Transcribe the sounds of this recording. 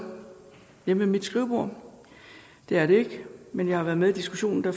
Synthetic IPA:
jememid̥sɡ̥ʁiʊb̥o̝ɐ̰ | d̥e̝æɐɾe̝e̝ɡ̥menjɑ̈hɑ̈ʋæɐðˠmeid̥isɡ̥uɕo̝̰ːn̩d̥ɑ

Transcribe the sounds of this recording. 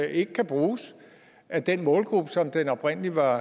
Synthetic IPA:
e̝ɡ̥əkʰæb̥ʁuːs | ʔæd̥enmɔ̽ːlɡ̥ʁub̥əsɒ̽md̥enɒ̽b̥ʁen̰liʋɑ̈

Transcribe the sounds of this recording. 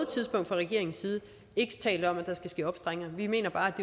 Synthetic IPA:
ð̩ˠət͡sʰið̞ˠsb̥ɔ̽ŋ̰d̥fɑʁɛɡ̥e̝ɐe̝ŋn̩siːð̞̩ˠə | e̝ɡ̥ə̥t͡sʰɛ̰ːldɒ̽mæd̥ɑ̈sɡ̥æsɡ̥e̝ːɒ̽b̥sd̥ʁaŋ̰ɐʋime̝̰ːnɐb̥ɑ̈ːæd̥e̝

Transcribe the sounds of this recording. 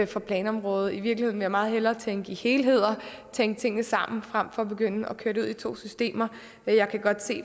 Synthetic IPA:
fʁɒ̈pʰlɛːnɒ̽mʁɔ̽ːð̞̩ˠiʋiɐɡ̥lihe̝̰nʋejɑ̈mɑ̈ːð̞̩ˠhelɐːt͡sʰeŋɡ̥ihe̝ːlɦe̝ð̞̰ˠɐt͡sʰeŋɡ̥ət͡sʰe̝ŋ̰nəsɑ̈m̰n̩fʁam̰fɒ̽ɒb̥e̝ɡ̥øn̰əɒ̽kʰøɐɾeuð̰ˠit͡sʰo̝̰ːsysd̥e̝̰ːmɐ | jɑ̈ɪkʰæɡ̥ɒ̽d̥se̝̰ː

